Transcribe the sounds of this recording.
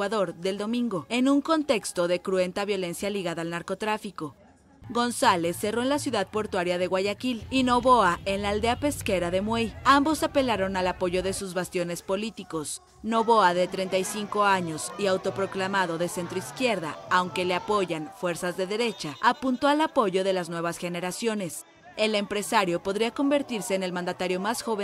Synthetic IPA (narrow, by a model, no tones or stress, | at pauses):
waðo̞ɾðe̞ld̪o̞mĩŋɡo̞e̞nũŋko̞nt̪e̞kst̪o̞ðe̞kɾue̞nt̪aβjo̞le̞nsjaliɣaðaːlnaɾko̞t̪ɾafiko̞ | ɡo̞nsale̞sːe̞ro̞enlasjuðað̚po̞ɾt̪waɾjaðe̞ɣwaʝakilino̞βo̞ae̞nlaːld̪e̞ape̞ske̞ɾaðe̞mwejambo̞sape̞laɾo̞nalapo̞ʝo̞ðe̞suzβast̪jo̞ne̞spo̞lit̪iko̞s | no̞βo̞aðe̞t̪ɾe̞nt̪ajsiŋko̞aɲo̞siawt̪o̞pɾo̞klamaðo̞ðe̞se̞nt̪ɾo̞iskje̞ɾða̰ːwŋke̞le̞apo̞ʝanfwe̞ɾsazðe̞ðe̞ɾe̞t͡ʃaapunt̪oalapo̞ʝo̞ðe̞laznwe̞β̞asxe̞ne̞ɾasjo̞ne̞s | e̞le̞mpɾe̞saɾjo̞po̞ðɾiako̞mbe̞ɾt̪iɾse̞ːne̞lmãnd̪at̪aɾjo̞masxo̞βe